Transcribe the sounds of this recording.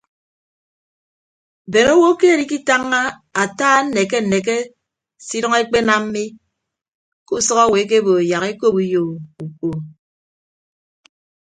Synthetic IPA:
be˨no˦wo˦ke˦a˨ɾi˦ki˦ta˦ŋːa˦ | a˨taː˦n̩˦ne˨k̬e˦n̩˨ne˨k̬e˦ | si˦ɾɔ˦ŋe˦k͡pe˦na˦m̩˦mi˦ | ku˦sɔ˦ɣa˦˨we˨˦k̬e˦bo˨e˨ja˨ɣe˦ko˦pu˦jo˨u˨k͡po˨

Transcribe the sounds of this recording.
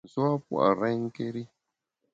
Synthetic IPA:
zu˦a˦pu˦a̰˨ɾa˦jŋ˦ke˦ɾi˦

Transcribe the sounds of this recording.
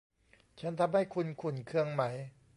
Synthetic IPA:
t͡ɕʰa˦˥nt̪ʰa˧mha˥˩jkʰu˧nkʰu˨˩nkʰɯ˧əŋma˩˦˥j

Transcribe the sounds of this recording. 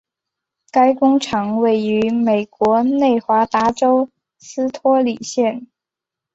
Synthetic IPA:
ka˥ɪkʊ˥ŋʈ͡ʂʰɑ˧˥ŋwe˥˩ɪy˧˥me˨˩ɪkwɔ˧˥ne˥˩ɪxwa˧˥t̪a˧˥ʈ͡ʂo˥ʊ | s̩˥t̪ʰwɔ˥li˨˩ɕjɛ˥˩n

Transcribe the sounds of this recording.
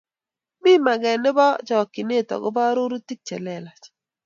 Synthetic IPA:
mi˦ma˨ɡɛ˨nɪ˦bɔ˦t͡ʃɔ˨ki˨ne˦˨tɔ̰˨ɡʊ˦ba˦ɾo˦ɾu˦ti˦k̚t͡ʃɛ˨lɛ˨la˨t͡ʃ

